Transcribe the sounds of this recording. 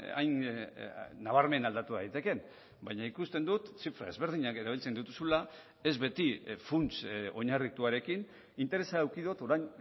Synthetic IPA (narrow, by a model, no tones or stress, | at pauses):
a̰jnː | aβ̞aɾme̞nald̪at̪uðajt̪e̞ke̞n | bajɲaikust̪e̞nd̪ut̪t͡sifɾa̰e̞zβ̞e̞ɾð̞iɲake̞ɾaβ̞ilt͡se̞nd̪ut̪usula | e̞zβe̞t̪ifunt͡so̞ɲarit̪uaɾe̞kin | int̪e̞ɾe̞saawkiðot̪o̞ɾajn